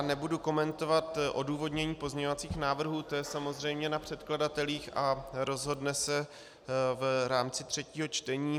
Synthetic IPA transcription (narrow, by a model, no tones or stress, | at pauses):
nɛbuduko̞mɛnt̪o̞vat̪ʔo̞̰duːvo̞dɲɛɲiːpo̞zɲɛɲovat͡siːxnaːvr̩ɦuːt̪ojɛsamo̞zr̝ɛjmɲɛnapr̝̥ɛt̪kladat̪ɛliːxʔaɾo̞zɦo̞dnɛsɛ | vɾaːmt͡sɪt̪r̝̥ɛciːɦo̞t͡ʃt̪ɛɲiː